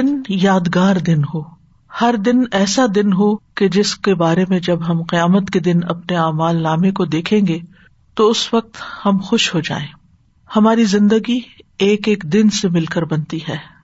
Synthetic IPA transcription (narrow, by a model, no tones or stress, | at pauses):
ɪnjaːd̪ɡaːɾd̪ɪnɦoː | hɐɾd̪ɪnɛːsad̪ɪnɦoked͡ʒɪskebaːɾemẽd͡ʒɐbɦɐmqɪjaːmət̪ked̪ɪnɐ̰pneaːmaːlːaːmekod̪eːkʰẽːŋɡe | t̪oʊsʋɐq̚t̪hɐmxʊʃɦod͡ʒa̰ːẽː | hɐmaːɾizɪ̃nd̪əɡieːkeːkd̪ɪnsemɪlkəɾbɐnt̪iɦɛː